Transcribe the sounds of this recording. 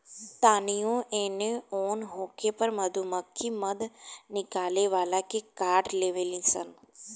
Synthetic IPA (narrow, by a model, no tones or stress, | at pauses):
t̪aːnijõʔẽːneoːnɦoːkʰepəɾməd̪ʱuməkʰːiməd̪nɪkaːleʋaːlakekaːɖleːʋelĩsə̰n